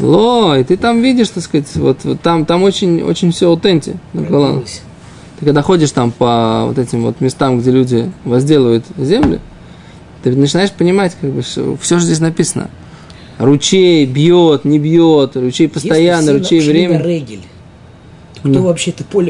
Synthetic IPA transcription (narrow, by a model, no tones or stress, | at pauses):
lˠoɪt̪ɨt̪amvʲidʲɪʂt̪skatʲvo̞̰t̪t̪ːamt̪amo̞t͡ɕɪnʲo̰t͡ɕɪnʲfsʲoʊt̪enʲtʲɪ̰nəkɐlˠan̰ | t̪ɨkɐɡd̪axo̞dʲɪʂt̪ampəvo̰t̪ɛtʲɪmvo̞̰t̪mʲɪst̪amɡdʲelʲudʲɪvɐzʲdʲelʲəvəjʊt̪zʲe̞mlʲʊ̰ | t̪ɨnət͡ɕɪnaɪʂpənʲɪmatʲkaɡbɨsʲo̰fsʲoʐozʲdʲes̬ʲnɐpʲisənə̰ | rʊt͡ɕejbjot̪nʲɪbjot̪rʊt͡ɕejpəst̪ɐjanːəɾʊt͡ɕejvɾʲemʲɪɛɡʲɪlʲ | k̪ovɐpɕeɛt̪əpolʲ